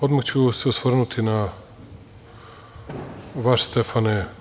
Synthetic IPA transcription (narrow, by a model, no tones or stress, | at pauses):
od̪makt͡ɕuseusʋrnut̪ʰina | ʋaʃst̪efane